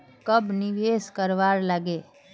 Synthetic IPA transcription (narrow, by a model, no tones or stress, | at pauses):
kəbniʋeːskəɾʋaɾləɡe